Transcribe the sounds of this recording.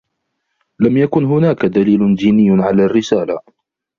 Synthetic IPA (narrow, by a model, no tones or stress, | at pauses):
lamjakʊnɦʊnaːkad̪aliːlʊd̪iːnɪjːʕalaːrːɪsaːla